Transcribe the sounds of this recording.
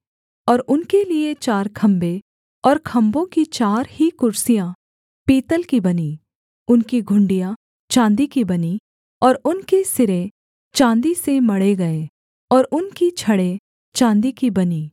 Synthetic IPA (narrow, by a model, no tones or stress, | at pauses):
ɔːɾʊnkeliet͡ʃaːɾkʰɐ̃mbe | ɔːɾkʰɐ̃mbõkit͡ʃaːɾhikʊɾsijã | piːt̪əlkibɐniː | ʊnkiɡʱʊ̃ɳɖijã | t͡ʃãːnd̪ikibɐni | ɔːɾʊnkesɪɾẽ | t͡ʃãːnd̪isemɐɽeɡɐeː | ɔːɾʊnkit͡ʃʰɐɽe | t͡ʃãːnd̪ikibɐniː